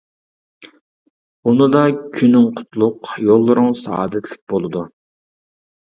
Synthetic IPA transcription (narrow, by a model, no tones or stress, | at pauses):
unɨd̪ɑkʲʰynːɪŋqʰʊ̥t̪ʰlˠʊqjolˠːʊɾʊŋsɑ̰ɑ̰ːd̪ɛt̪ʰɪlɪk̚ʲb̥olˠɨd̪u